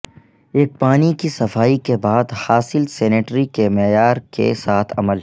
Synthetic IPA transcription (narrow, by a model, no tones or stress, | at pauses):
eːk̚paːnikisɐfaːikebaːd̪haːsɪlsɛːneːʈɾikemɛːjaːɾkḛsaːt̪ʰɐ̰məl